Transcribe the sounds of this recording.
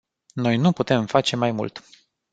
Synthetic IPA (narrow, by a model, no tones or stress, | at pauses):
no̞jnuput̪e̞mfat͡ʃe̞majmṵlt̪